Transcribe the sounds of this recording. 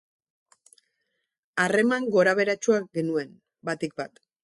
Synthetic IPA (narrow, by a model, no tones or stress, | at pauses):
are̞maŋɡo̞ɾaβe̞ɾat͡ʃuaɡe̞nue̞n | bat̪ik̚bat̪